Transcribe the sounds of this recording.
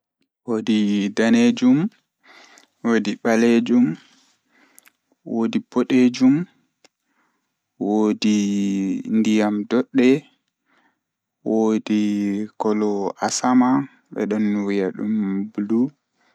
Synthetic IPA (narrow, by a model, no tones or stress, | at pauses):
wodidaned͡ʒum | woːdiɓaled͡ʒum | wodibɔɗed͡ʒum | wodi | ndijamdɔɗːɛ | wodikɔlɔasama | ɓɛ̰ɗɔnːwijaɗṵmbulu